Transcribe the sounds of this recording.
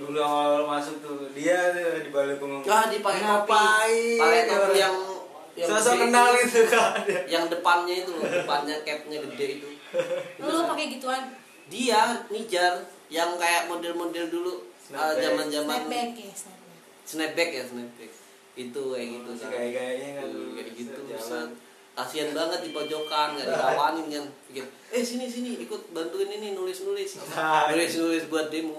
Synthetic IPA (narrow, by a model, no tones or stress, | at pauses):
udaŋalalomasʊk̚t̪udiat̪adadibalukuŋaŋadiapakeapaipaak̪aɾanjaŋ | jaŋsaasakənalit̪udjaŋdəpanɲait̪upanɲakɛt̪̚ɲaɡədɛit̪u | ɡilopakɛɡit̪uan | dianid͡ʒar | jaŋkajaʔmodɛlmodɛldulu | əd͡ʒamand͡ʒamankas | sənɛp̪̚bɛk̚jasənɛp̪̚bɛk | ɡit̪uaɡit̪us | kaɡit̪uiat̪ | kasianbaŋət̪̚dipod͡ʒokankaʔikawanɪnkanbikat̪ | ɛhsinis̬iniikʊt̪̚bant̪uinininulɪsnulɪsanulɪsnulɪsbuat̪̚demuŋ